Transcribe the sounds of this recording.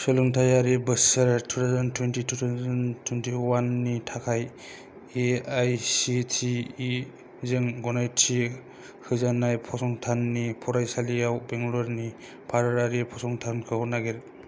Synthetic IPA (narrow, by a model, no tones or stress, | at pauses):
sɯluŋtʰajaɾibɯsaɾtʰutʰawzantʰwentitʰutʰazɐntʰwentʰiwanːitʰakʰaj | eajsitʰiː | zeŋɡɔnajtʰi | hɯzanajpʰɔsɔŋtʰanːipʰɔɾajsalijawbeŋɡulɔɾni | pʰaɾɯɾaɾipʰɔsɔŋtʰankʰɯwnaɡeɾ